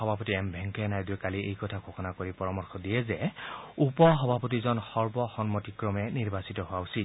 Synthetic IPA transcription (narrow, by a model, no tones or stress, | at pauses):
ɔbʱapɔtiɛmbʱɛŋkɛnajduɛkaliʔejkɔtʰakʰoxɔnakoɹipɔɹɔmɔɹxʰɔdijɛzɛupɔɦɔbʱapɔt̬izɔnxɔɹbɔxɔnmɔtikɹɔmɛniɹbasitɔɦʊausit